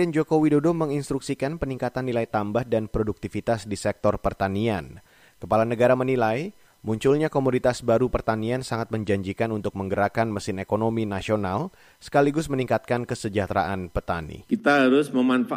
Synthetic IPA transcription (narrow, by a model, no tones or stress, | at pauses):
ɛnd͡ʒokowidodoməŋinst̪ɾuksikanpəniŋkat̪anːilajt̪ambahdanpɾoduk̚t̪ifit̪asdisɛk̚t̪ɔrpərt̪anian | kəpalanəɡaɾamənilaj | muɲt͡ʃʊlɲakomunit̪asbaɾupərt̪aniansaŋat̪̚məɲd͡ʒaɲd͡ʒikanunt̪ʊk̚məŋɡəɾakanməsɪnekonominasional | sə̥kaliɡʊsməniŋkat̪̚kankəsəd͡ʒat̪ɾa̰ʔanpət̪a̰nḭkit̪aɦaɾʊsməmanfa